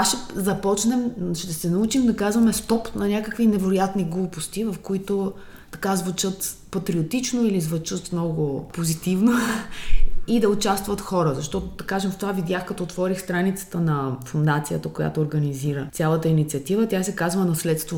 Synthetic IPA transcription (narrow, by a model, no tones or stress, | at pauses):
aʃɛzɐpɔt͡ʃnɛmʃd̪ɐsɛnɐut͡ʃimd̪ɐkazvɐmɛst̪ɔpnɐnʲakəkvinɛvɛɾʊjat̪niɡlˠupost̪ivɐfkoit̪o | t̪ɐkazvut͡ʃɤt̪pɐt̪ɾiot̪it͡ʃnoilizvɐt͡ʃət̪mnɔɡʊpozit̪ivno | id̪ɐot͡ʃast̪vɐt̪xɔɾəzɐʃt̪ɔt̪ʊd̪ɐkaʒɛmft̪ovavid̪ʲjaxkɐt̪ɔt̪vɔɾixst̪ɾanit̪sə̥t̪ənɐfʊnd̪at̪sijət̪əkoja̰t̪oːɾɡɐniziɾəsʲalˠət̪əinit̪sʲiɐt̪ivət̪ʲjasɛkazvənɐslɛt̪st̪vo